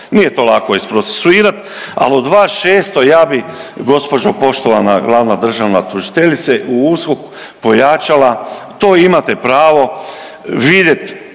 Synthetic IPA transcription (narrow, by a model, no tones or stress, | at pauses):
nije̞t̪o̞ːlˠako̞ispɾot̪se̥suiːɾat̪ | a̰lod̪ʋaːʃeːst̪o̞jaːbiɡo̞spo̞d͡ʒopo̞ʃt̪o̞ʋanaɡlˠaʋnad̪r̩ʒaʋnat̪uʒi̥t̪eʎit̪seʔuuskok | po̞jat͡ʃalat̪o̞ːimat̪epɾaːʋo̞ | ʋid̪je̞t̪